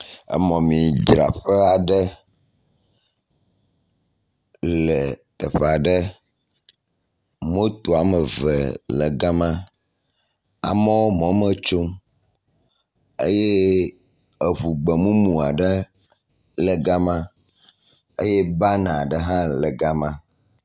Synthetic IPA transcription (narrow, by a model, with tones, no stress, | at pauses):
ə̰˨mɔ̃˨mĩ˨d͡ʒɾa̰˨ɸɛ˦a˨ɖə˦ | lɛ˨t̪ə˨ɸe˨a˨ɖə˦ | mo˦t̪o˨a˨mə˨və̰˨lə˨ɡa˦mã˦ | a̰˨mə˦wo˦mɔ̃˦mə˦t͡ʃo˦m | ḛ˦je˦ | ə˨ɸu˨ɡ͡bə˨mũ˦mũ˨a˨ɖə˦ | lɛ˨ɡa˦mã˦ | ḛ˦je˦ba˦nã˨a˨ɖə˨ɦã˦lə˨ɡa˦mã˦